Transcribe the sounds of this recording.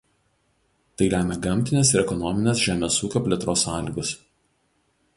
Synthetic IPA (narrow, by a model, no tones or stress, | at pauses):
t̪ɐɪɾʲæːmʲɛɡɐmʲt̪ʲɪnʲeːsɪɾɛkɔnɔmʲɪnʲeːs̬ʒʲæːmʲeːsuːkʲoːpʲlʲɛt̪ɾoːsɑːlʲiːɡʊs